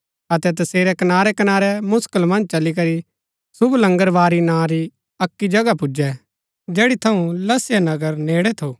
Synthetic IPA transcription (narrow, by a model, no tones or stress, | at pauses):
ɐt̪ɛt̪̬ɐseːɾɛkɐnaːɾɛkɐnaːɾɛmʊskəlmɐ̃nd͡ʒt͡ʃɐlik̬ɐɾi | sʊblɐ̃ŋɡəɾʋaːɾinãɾi | ɐkːid͡ʒɐɡapʊd͡ʒɛ | d͡ʒɛːɽit̪ʰɐũlɐsjanɐɡəɾneːɽɛt̪ʰoː